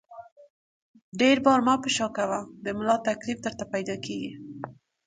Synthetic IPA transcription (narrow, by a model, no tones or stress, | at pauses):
ɖeɾbɑɾmɑpəʃɑkawad̪əmʊlɑt̪aklifd̪əɾt̪apajd̪ɑkeɡi